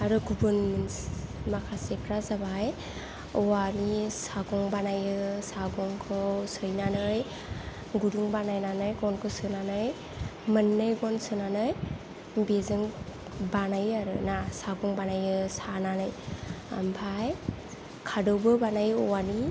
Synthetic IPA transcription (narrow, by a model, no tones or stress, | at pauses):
aɾɯɡubɯnminmakʰasekʰɾazabaj | ɔwanisaɡɔŋbanajɯsaɡɔŋkʰɔsɯjnanɯj | ɡudɯŋbanajnanɯjɡɔnkʰɔsɯnanɯj | mɯnːɯjɡɔnsɯnanɯj | bezɯŋ | banajaɾɯ̰nasaɡɔŋbanajɯsananɯja̰mpʰaj | kʰadɔwbɯbanajɔwani